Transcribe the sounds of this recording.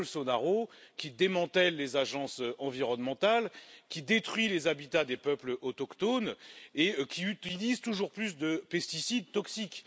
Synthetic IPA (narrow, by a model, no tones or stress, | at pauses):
lsɔnaʁokʲid̪emɑ̃t̪ɛlːezaʒɑ̃søɑ̃viʁɔnmɑ̃t̪alkʲid̪et̪χɥilezabit̪ad̪epœplʔɔt̪ɔkt̪onekʲʰiyt̪ilizt̪uʒuʁplys̬d̪əpɛst̪isid̪t̪ɔksikʲ